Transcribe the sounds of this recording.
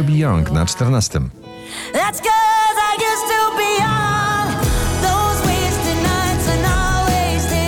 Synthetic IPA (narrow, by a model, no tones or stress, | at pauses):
bʲijɔ̃ŋkna̰t͡ʂt̪ɛɾnast̪ɨm | ðætsɡ̥ʊzaɪd͡ʒɛstɪlˠbinðoʊzweɪzdɨnaɪ̃tsə̃nɔlˠwe | z̥